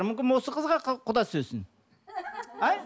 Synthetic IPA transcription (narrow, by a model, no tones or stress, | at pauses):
ɾmʏmʲkʲɪnwo̞səqʰəzʁɑqqʰʊd̪ɑsɵzsɪn | æj